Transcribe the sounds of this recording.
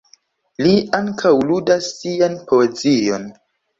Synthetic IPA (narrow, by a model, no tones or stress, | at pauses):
liaŋkʰawludasːianpoezijo̞̰n